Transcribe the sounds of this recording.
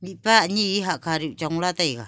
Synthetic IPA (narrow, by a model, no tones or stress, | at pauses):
miʔpaɲiʔɦaʔkaɾiuʔt͡ʃaŋlat̪aiɡa